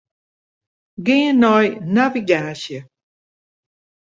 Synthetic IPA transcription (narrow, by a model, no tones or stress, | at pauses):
ɡeənːɔjnaviɡaːʃjə